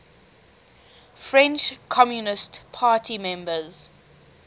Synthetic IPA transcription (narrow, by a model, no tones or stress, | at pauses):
fɹɛ̃nt͡ʃkʰɔmjunɪstpʰaːtʰimɛ̃mbəz̥